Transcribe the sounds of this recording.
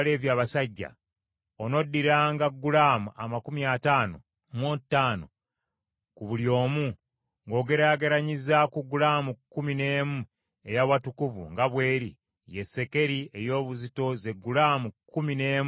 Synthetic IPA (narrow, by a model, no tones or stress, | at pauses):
le̞ːβjaːβasaɟːa̰ | ono̞dːiɾaːŋɡaɡːulaːmuʔa̰makumiataːno̞̰ | mwotːaːno̞̰ | kuβuljo̞ːmu | ŋɡo̞ːɡe̞ɾaːɡeɾaɲizakuɡulaːmukːumine̞ːmu | e̞jaβwatukuvṵŋɡaβwe̞ːɾi | jesːe̞ke̞ɾie̞jo̞ːβuzito̞ze̞ɡːulaːmukːumine̞ːm